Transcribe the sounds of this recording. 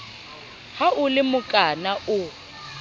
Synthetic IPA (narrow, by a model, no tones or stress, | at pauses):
haʔʊlɪmʊkʼanaʔʊ